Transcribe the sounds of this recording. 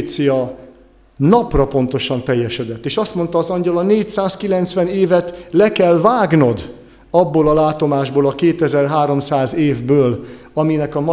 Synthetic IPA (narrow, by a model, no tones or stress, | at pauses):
t̪sijɒ | nɒprɒpo̞nt̪o̞ʃɒnt̪ɛjːɛʃɛd̪ɛt̪ːeːʃɒst̪mo̞n̪t̪ɒːzɒɲɟɒlɒneːcsaːskilɛnt̪sʋɛneːvɛt̪lɛkɛlvaːɡno̞d̪ | ɒbːoːlɒlaːt̪o̞maːʒboːlɒkeːt̪ɛzɛrɦaːɾo̞msaːzeːvbøːlɒminɛkɒmɒ